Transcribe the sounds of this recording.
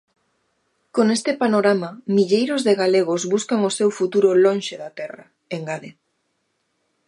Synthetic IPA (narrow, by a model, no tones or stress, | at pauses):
konest̪ɪpanoɾamamiʎejɾozðeɣaleɣ̞ozβuskaŋosewfut̪uɾolonʃeðat̪ɛra | eŋɡaðe